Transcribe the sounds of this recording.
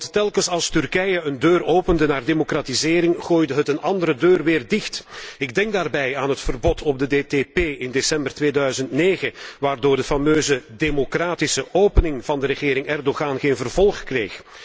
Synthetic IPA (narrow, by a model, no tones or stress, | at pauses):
ttːɛlˠkəsɑlˠstʏrkɛjəəndøːroːpəndənaːrdemokratizɪːɾɪŋχoːjdəɦətənɑndəɾədøːrʋɪːrdɪxtɪɡ̚dɛŋk̚daːrbɛjaːnɦətfərbɔtʰɔb̚dədeːtepeːɪndesɛmbərtʋeːdœɥzəntneːɣəʋaːrdoːrdəfɑmøːzədemokraːtisəʔoːpənɪŋvɑndəɾəɣɪːɾɪŋʔɛrdoɣaːnɣeːnvərvɔlˠχkreːx